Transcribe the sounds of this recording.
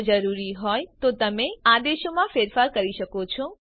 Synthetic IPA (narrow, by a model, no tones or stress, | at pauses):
d͡ʒəɾuɾiɦɔjt̪ot̪əmẽad̪eʃomãfeɾfaɾkəɾiʃəkot͡ʃʰo